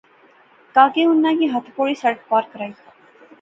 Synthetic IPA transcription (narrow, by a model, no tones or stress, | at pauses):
kaːkeʊnːãkiɦɐt̪ʰpoːɭiːsɐɽək̚paːɾkəɾaːi